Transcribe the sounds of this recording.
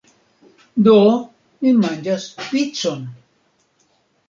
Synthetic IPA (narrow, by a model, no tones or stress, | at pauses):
d̪o | mimaɲd͡ʒaspit͡son